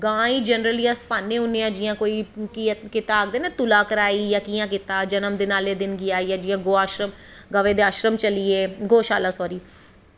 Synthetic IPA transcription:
ɡãːiːd͡ʒənɾəliːaspaːnːeːɦʊnːeːãːd͡ʒijãːkoːiːkiːãkɪt̪aːɡ̚d̪eːneːt̪ʊlaːkəɾaːiːjaːkiːãːk̬ɪt̪aːd͡ʒənəmd̪eːnaːleːd̪ɪnɡɪjaːjaːd͡ʒiːãːɡoːaːʃɾəm | ɡəʋeːd̪eːaːʃɾəmt͡ʃəliːeːɡoːʃaːlaːsɔːɾiː

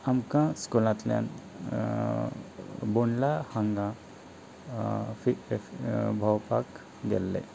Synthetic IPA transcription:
amkãskɔlãt̪lja̰n | boɳlahãŋɡã | fi | bʱawpak | ɡɛlːḛ

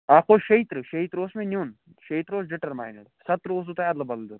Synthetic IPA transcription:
aːkʰoʃɐit̪ɾɨʃɐit̪ɾosmẽnjuːn | ʃɐit̪ɾoːsd͡ʒɪʈɐɾma̰ːjnɐɽsɐt̪ɾɨos̬ut̪ajaːd̪lɐbɐd̪ld̪uːn

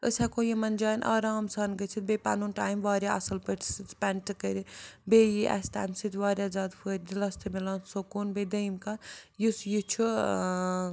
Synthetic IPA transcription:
əsakojimɐnd͡ʒaːnʔa̰ːɾaːmsɐnɡɐt͡ʃʰit̪̚bepa̰nuːnʈaːjmʋaːɾjaɐ̰sɐlpəʈʰsɨt̪pɛnʈɨkəɾʲibejiʔɛ̰sʈa̰ːjmsɨt̪ʰʲʋaːɾʲjazaːd̪fʰəːɾʲd̪ilɐst̪ʰɨmilãːnsokuːnbed̪ɐjmkajusjit͡ʃʰu

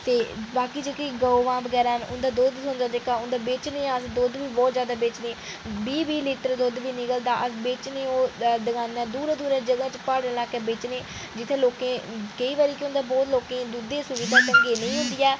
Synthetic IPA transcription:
t̪eːbaːkiːd͡ʒekeɡəoʋãːbəɡɛːɾaːɦnʊ̰nd̪aːd̪oːd̪sʊ̃nd̪aːd͡ʒekaːʊnd̪aːbeːt͡ʃnẽːãːsd̪oːd̪ʋiːbɔːt̪zjaːd̪aːbeːt͡ʃnẽː | biːbiːliːʈəɾd̪oːd̪biːnɪkəld̪aːʔəbeːt͡ʃneːoːd̪əɡaːnɛːd̪uːɾãːd̪uːɾãːd͡ʒəɡãːt͡ʃpaːɽəlaːkɛːbeːt͡ʃneː | d͡ʒɪt̪ʰeːloːkẽːkəiːʋaːɾiːkeʊ̃nd̪aːbɔːt̪loːkẽːd̪uːd̪eːsʊʋiːd̪ʱaːt͡ʃəŋɡeːnə̃ĩːɦʊ̃nd̪iːɛː

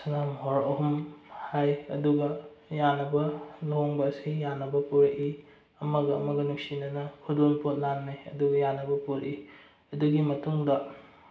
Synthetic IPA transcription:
sɐnamɦoɾɐɦumhajɐ̰duɡɐjanːɐbɐnoɦoŋbɐːsijanːɐbɐpuɾɐʔi | ɐmɐɡɐɐmɐɡɐnuk̚sinɐnɐhʰudonpot̚nanːajɐ̰duɡɐjanːɐbɐpuɾʔi | ɐduɡimɐtuŋdɐ

